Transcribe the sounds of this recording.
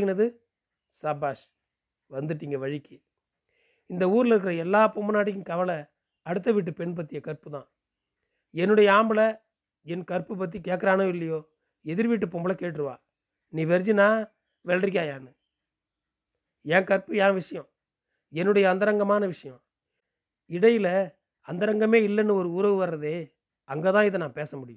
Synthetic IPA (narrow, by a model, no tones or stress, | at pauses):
ɣɪnɐðɯ | sɐbaːʂ | ʋɐnd̪ɯʈːiːŋɡɐʋɐɻɪkːɯ | ɪnd̪ɐuːɾɪlɪɾɯk̬ːɪɾɐɛlːaːpɔmbɐnaːʈːɪkːɯ̃kɐʋɐlɐ | ɐɽɯt̪̬ːɐʋɪʈ̬ːɯpɛɳp̬ɐt̪ːɪjɐkɐɾpɯt̪ã̰ː | ɛnːɯɽɐjɐaːmbɯlɐ | ɛnkɐɾpɯp̬ɐt̪̬ːikeːʈk̬ːɐɾaːnɐɪlːɐjoː | ɛðɪɾʋiːʈ̬ːɯpɔmbɐlɐkeːʈ̬ːɪɾɯʋa̰ː | niːʋɛɾd͡ʒinaː | ʋɛlʈɾɪkʲːaːjaːnɯ | ɛːkɐɾpɯãːʋɪʂɐjɔ̃ | ɛnːɯɽɐjɐːnd̪ɐɾɐŋɡɐmaːnɐʋɪʂɐjɔ̃ | ɪɽɐjɪlɐ | ɐnd̪ɐɾɐŋɡɐmeːɪlːɛnːɯɔɾɯʊːɾɐʋɯʋɐɾɾɐðeː | ɐŋɡeːt̪ãːɪðɐnãːpeːsɐmʊɽɪjʊ̃